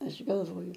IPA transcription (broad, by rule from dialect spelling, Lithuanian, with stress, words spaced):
ˈɐʃ ɡɐlˠˈʋoːjʊ